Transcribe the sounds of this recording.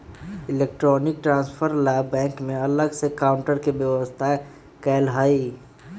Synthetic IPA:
ɪleːk̚ʈɾɔːnɪk̚ʈɾãːnspʰəɾlaːbɛ̃ːŋkmẽɐləɡsekaːʊ̃ɳʈəɾkebjəʋəst̪ʰa | kɛːlɦaːi

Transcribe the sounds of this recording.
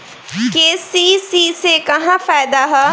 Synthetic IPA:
keːsisisekɐɦãfaːɪd̪aɦɛ

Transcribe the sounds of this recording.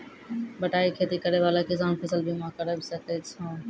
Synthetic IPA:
bəʈaːikʰeːt̪ikəɾeʋaːlakɪsaːnpʰəsəlbʱimakəɾəbisəkɛt͡ʃʰã

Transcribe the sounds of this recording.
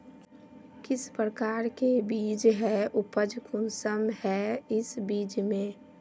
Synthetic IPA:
kɪspɾəkaːɾkebiːd͡ʒɦɛʊpəd͡ʒkʰʊnsəmhɛɪsbiːd͡ʒmẽ

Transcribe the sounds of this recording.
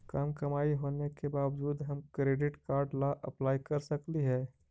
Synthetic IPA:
kaːmkɐmaːiɦoːnekebaːʋd͡ʒuːd̪ɦɐmkɾeːɖɪʈkaːɾɖlaʔɐplaːikɐɾsɐkliɦɛː

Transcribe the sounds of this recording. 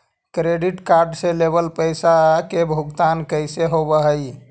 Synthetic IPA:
kɾeɖiʈkaɾɖselebəlpəjsakebʱuɡt̪ankəjseɦobəɦəj

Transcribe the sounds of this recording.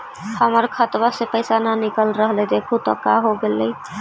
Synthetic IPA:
haməɾkʰat̪basepəjsananikəlɾəɦled̪ekʰut̪ɔ̰kaɦoɡelej

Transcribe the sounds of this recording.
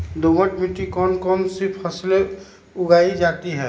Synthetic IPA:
d̪oməʈmiʈːikɔːnkɔmsɪpʰəsle | ʊɡaːid͡ʒaːt̪iɦɛ

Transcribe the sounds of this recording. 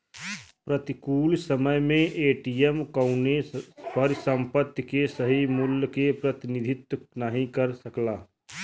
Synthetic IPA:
pɾɐt̪ɪkuːlsəməjmẽʔeːʈiːjemkə̃ʊnepʰəɾsə̃mpət̪jkesəɦimʊlkepɾət̪ɪnɪd̪ʱɪt̪nəɦĩkɐɾsəklaː

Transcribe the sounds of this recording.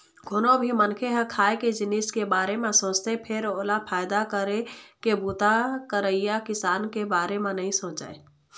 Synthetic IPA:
ɡʱonõbʱimənkʰeɦə̃kʰaːeked͡ʒɪniskebaːɾemẽsõːt͡ʃt̪epʰɪɾoːlapʰaːɪd̪akəɾekebuːt̪akəɾəijakɪsaːnkebaːɾemẽnəɦĩsõːt͡ʃa̰ːe

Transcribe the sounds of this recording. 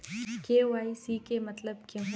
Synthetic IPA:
keːʋaːisikemɐt̪ləbkeɦ

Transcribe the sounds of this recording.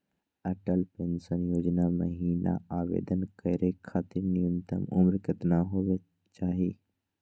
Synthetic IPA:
əʈəlpẽnsənjoːd͡ʒnamə̰ɦiːna̰aːʋḛːd̪ənkəɾekʰaːt̪ɪɾnɪjə̃nt̪ə̰mʊmɾkət̪naɦoːe | t͡ʃaːɦiː

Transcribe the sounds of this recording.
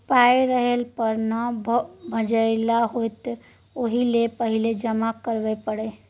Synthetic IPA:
paeɾəɦelpəɾnəbʱbʱəd͡ʒəɪlaɦojt̪ | oɦilepəɦiled͡ʒəmakəɾʋɛpəɽe

